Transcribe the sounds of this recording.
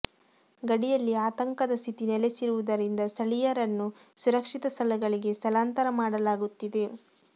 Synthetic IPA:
ɡɐɽijɐlːiaːt̪ɐŋkɐd̪ɐst̪ʰit̪inɛlesiɾuʋud̪ɐɾind̪ɐsɐɭijɐɾɐnːusuɾɐkʂit̪ɐsɐlɐɡɐɭiɡe̞st̪ɐlaːnt̪ɐɾɐmaːɽɐlaːɡut̪ːid̪e̞

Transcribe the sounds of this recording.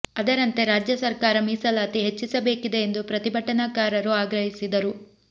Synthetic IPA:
ɐd̪ɐɾɐnt̪e̞ɾaːd͡ʒjɐsɐɾkaːɾɐmiːsɐlaːt̪iɦe̞t͡ʃːisɐbe̞ːkid̪e̞ːnd̪upɾɐt̪ibʱɐʈːɐnɐkaːɾɐɾuaːɡɾɐɦisid̪ɐɾu

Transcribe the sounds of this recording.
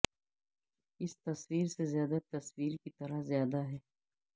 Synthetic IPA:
ɪst̪ɐswiːɾsezjaːd̪at̪ɐswiːɾkit̪ɐɾəzjaːd̪aɦɛː

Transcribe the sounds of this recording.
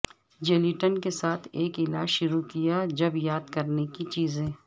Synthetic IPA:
d͡ʒeːliʈənkesaːt̪ʰeːkɪlaːʃʊɾukijad͡ʒɐbjaːd̪kɐɾnekit͡ʃiːzẽː

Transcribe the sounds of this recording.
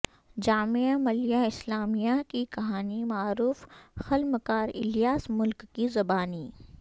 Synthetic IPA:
d͡ʒaːmeamɐlijaɪslaːmijakikɐɦaːnimaːɾuːfxɐlməkaːɾɪ̰lijaːsmʊlkːizɐbaːni

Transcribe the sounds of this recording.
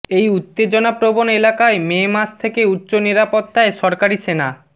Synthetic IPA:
ejut̪ːed͡ʑonapɾobonelakaememast̪ʰekeutːɕoniɾapot̪ːaeʃɔɾkaɾisena

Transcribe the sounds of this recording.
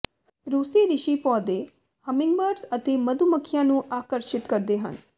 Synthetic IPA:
ɾuːsiɾɪʃipɔːd̪e | həmɪ̃ŋɡbəɾɖsət̪ʰeməd̪ʱuməkʰːjãnũʔaːkəɾʃɪt̪kəɾd̪eɦə̰n

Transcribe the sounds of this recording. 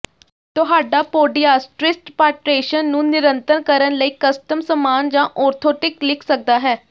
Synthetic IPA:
t̪ʊɦaːɖaːpoːɖiaːsʈɾɪsʈpaːʈɾeːʃənːũːnɪɾənt̪əɾkəɾənləiːkəsʈəmsəmaːnd͡ʒãːʔɔːɾt̪ʰoːʈɪklɪkʰsək̚d̪aːɦɛː

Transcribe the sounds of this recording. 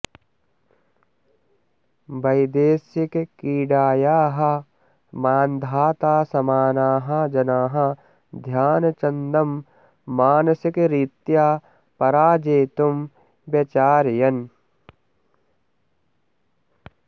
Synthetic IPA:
bɐjd̪eːsikkiːɖaːjaːɦɐ | maːnd̪ʱaːt̪aːsɐmaːnaːɦɐd͡ʒɐnaːɦɐ̆ | d̪ʱjaːnɐt͡ʃɐnd̪ɐmː | aːnɐsikɾit̪jaː | pɐɾaːd͡ʒeːt̪um | ʋjɐt͡ʃaːɾjɐn

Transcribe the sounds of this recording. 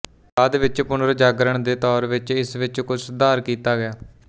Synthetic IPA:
baːd̪ʋɪt͡ʃpʊnəɾd͡ʒaːɡəɾəɳd̪eːt̪ɔːɾʋɪt͡ʃɪsʋɪt͡ʃkʊt͡ʃʰsd̪aːɾkiːt̪aːɡɪjaː

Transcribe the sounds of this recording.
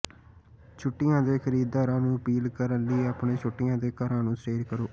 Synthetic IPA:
t͡ʃʰʊʈːɪjãːd̪eːkʰəɾiːd̪aːɾãːnũːəpiːlkəɾənliːaːpɳeːt͡ʃʰʊʈːɪjãːd̪eːkəɾãːnũːsɾeːɾkəɾoː

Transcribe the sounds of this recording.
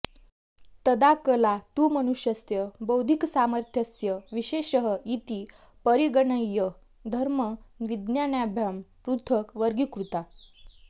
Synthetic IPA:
t̪əd̪akəlat̪uːməñuɕjəst̪jəbəwd̪ʱiksaməɾt̪ʰjəsjəʋiɕeɕəɦəit̪iː | pəɾiɡəɳəjːə | d̪ʱəɾməʋid̪njanjabʱjampɾut̪ʰəkʋəɾɡikɾut̪a

